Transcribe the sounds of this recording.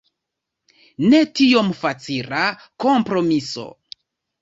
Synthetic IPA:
ne̞tio̞mfat͡siɾa | ko̞mpɾo̞miso̞̰

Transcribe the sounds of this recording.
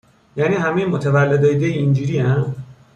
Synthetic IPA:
jaːniɦamemot̪ʰeʋalːed̪ʌjd̪ejind͡ʒiɾiã

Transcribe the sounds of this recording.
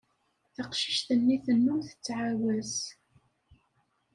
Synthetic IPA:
θəqʃi̥ʃθənːiθənːumθə̥t͡sːʕawæs

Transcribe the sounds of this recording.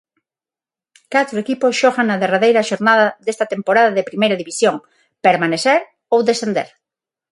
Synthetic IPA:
kat̪ɾoekiposʃɔɣaŋnaðeraðejɾɐʃoɾnaðaðest̪ɐt̪empoɾaðaðepɾimejɾaðiβisjoŋ | peɾmaneθeɾ | owðesθend̪ḛɾ

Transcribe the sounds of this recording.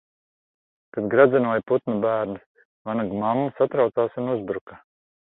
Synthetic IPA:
t̪ad̪ɡɾad̪zɛnuɔjput̪nubæːɾnɨs | vanaɡmamːasat̪ɾawt̪saːsunuzbɾuka

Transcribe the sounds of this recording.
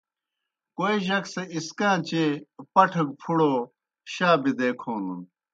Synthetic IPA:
koiɕɐkseiskãːt͡ɕepɐʈʰɐk̚pʰuɽoː | ɕaːbid̪eːkʰoːnun

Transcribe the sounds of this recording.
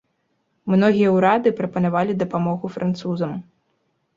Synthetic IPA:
mnɔɣʲijɐwɾad̪ɨpɾɐpɐnavalʲid̪ɐpamɔɣufɾʔant̪suzɐm

